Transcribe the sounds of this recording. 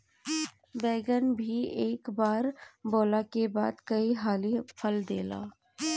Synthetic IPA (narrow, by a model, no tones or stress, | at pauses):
bɛːɡənbʱieːkbaːɾboːlakeba̰ːd̪kɐiɦaːlipʰəld̪eːla̰ː